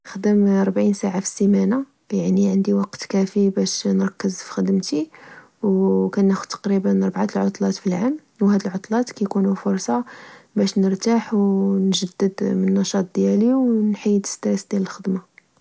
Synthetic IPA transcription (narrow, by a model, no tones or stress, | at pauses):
xd̪əmɑɾˤbʕinsaʕafi̥sːimæna | jaʕniʕənd̪iwɑqt̪kæfibæʃnɾˤɑkːəzfi̥xəd̪əmt̪i | wkænːæxʊd̥̪t̪ːɑ̥qɾibənɾˤbʕat̪əlʕot̪ˤlɑt̪filʕamː | whæd̪əlʕot̪ˤlɑt̪kæjkunufʊɾˤsɑbæʃnəɾt̪aħwnʒəd̪ːəd̪mənːɑʃɑt̪̚ˤd̪jæliwnħijːd̪ə̥st̪ɾæsd̪jæləlxəd̪mɑ